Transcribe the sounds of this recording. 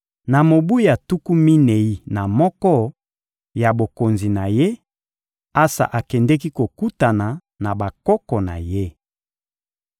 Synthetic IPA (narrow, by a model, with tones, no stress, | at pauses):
na˨mo˨bu˦i˦a˨tu˦ku˦mi˦ne˨i˦na˨mɔ˦kɔ˦ | ja˨bo˨ko˨nzi˨na˨je˦ | a˦sa̰˨ʔa˨kɛ˨ndɛ˦k̬i˦ko˨ku˦ta˨na˨ | na˨ba˨kɔ˦kɔ˨na̰˨je˦